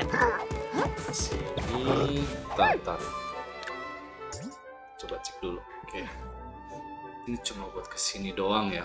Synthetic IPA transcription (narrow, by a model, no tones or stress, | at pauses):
kəsini | t̪at̪an | t͡ʃ̪obat͡ʃɪ̥k̚dulu | ke | init͡ʃumabuat̪̚kə̥sinidoaŋja